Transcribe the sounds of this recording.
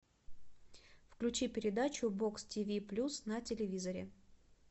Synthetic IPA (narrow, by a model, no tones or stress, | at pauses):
fklʲʉt͡ɕipʲɪɾʲɪd̪at͡ɕʊbo̞kstʲivʲiplʲusnɐtʲɪlʲɪvʲizəɾʲɪ̰